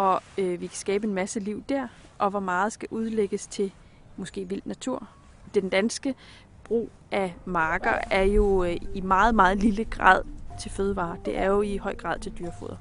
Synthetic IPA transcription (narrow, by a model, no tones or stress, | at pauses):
ʔɒ̽øʋikʰæ̥sɡ̥ɛːb̥əe̝nmæsəliʊ̰d̥æɐ̰ | ʔɒ̽ʋɒmɑ̈ːð̞̩ˠsɡ̥æʔuð̞ˠleɡ̥əst͡sʰe̝l | mɔ̽sɡ̥e̝̰ːʋil̰d̥næt͡sʰuɐ̰ | d̥end̥ænsɡ̥ə | b̥ʁṵː | ʔæmɑ̈ːɡ̥ɐæɐjo̝imɑ̈ːð̞̩ˠmɑ̈ːð̞̩ˠliləɡ̥ʁɑ̰̈ːð̞̰ˠt͡sʰe̝lføːð̞ˠəʋɑ̈ːd̥e̝ʔæɐjo̝ihɒ̽ɪ̰ɡ̥ʁɑ̰̈ð̰ˠt͡sʰe̝ld̥yɐfo̰ðˠɐ